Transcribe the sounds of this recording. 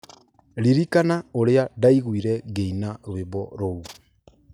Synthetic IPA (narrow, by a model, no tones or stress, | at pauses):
ɾiɾikanaoɾeadaiɣwiɾɛɣeinaɾweβɔɾou